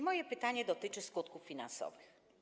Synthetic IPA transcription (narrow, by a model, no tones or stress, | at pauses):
mɔjɛpɘt̪aɲɛd̪ɔt̪ɘt͡ʂɘskut̪kufːʲina̰nsɔ̰vɘx